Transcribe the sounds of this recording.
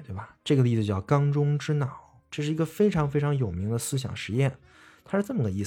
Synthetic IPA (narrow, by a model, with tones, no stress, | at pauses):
t̪we˥˩ɪbɐ˩ʈ͡ʂɤ˥˩ɡə˩li˥˩d͡z̩˧t͡ɕjɑ˥˩ʊkɑ˥ŋʈ͡ʂʊ˥ŋʈ͡ʂɻ̩˥nɑ˨˩˦ʊʈ͡ʂɤ˥˧ʂɻ̩˥˩i˧˥ɡə˧fe˥ɪʈ͡ʂʰɑ˧˥ŋfe˥ɪʈ͡ʂʰɑ˧˥ŋjo˨˩ʊmi˧˥ŋd̪ə˧sɹ̩˥ɕ̬jɑ̰˨˩ŋʂɻ̩˧˥jɛ˥˩n | t̪ʰa˥ʂɻ̩˥˧t͡sə˥˩mə˩ɡə˩i˥˩